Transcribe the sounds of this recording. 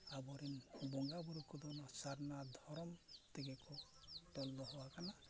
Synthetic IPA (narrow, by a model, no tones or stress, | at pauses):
abɔɾinbɔŋɡabuɾukɔd̪ɔnɔsaɾnad̪ʱɔɾɔmt̪eɡekɔ | ʈɔlːɔɦɔwakana